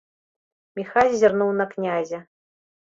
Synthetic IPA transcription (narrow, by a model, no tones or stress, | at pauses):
mʲixalʲzʲarnuwnɐknʲazʲɐ